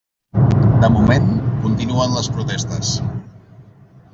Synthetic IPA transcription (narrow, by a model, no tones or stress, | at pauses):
d̪əmumẽnkunt̪inuənləspɾut̪ɛst̪əs